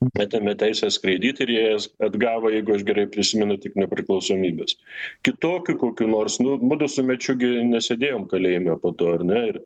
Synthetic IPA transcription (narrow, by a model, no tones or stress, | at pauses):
ɑːt̪ʲemʲɛt̪ʲæɪsʲɛskɾɐɪd̪ʲiːt̪ʲɪɾjijɛɐd̪ɡɑːʋɐjɛɪɡʊɐʃɡʲɛɾɐɪpʲɾʲɪsʲɪmʲɛnʊt̪ʲɪknʲɛpʲɾʲɪklˠɐʊsoːmʲiːbʲeːskʲɪt̪oːkʲukoːkʲuːnoːrsnʊmʊd̪ʊsʊmʲɛt͡ʃʲʊɡʲɪnʲɛsʲeːd̪ʲeːjoːmkɐlʲɛɪmʲɛpoːt̪oːɐrnʲɛɪr